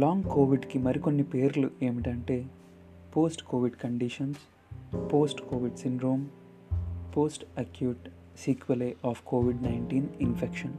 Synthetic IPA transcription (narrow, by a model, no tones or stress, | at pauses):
laːŋɡkoːʋiɖkimɐɾiko̞nːipeːɾluʔe̞ːmiʈɐɳʈe̞ː | poːsʈkoːʋiɖkɐɳɖiʂɐns | poːsʈkoːʋiɖsiɳɖɾoːm | poːsʈɐkjuːʈ | siːkʋɐleʔaːfkoːʋiɖnɐjɳʈiːninpʰekʃɐn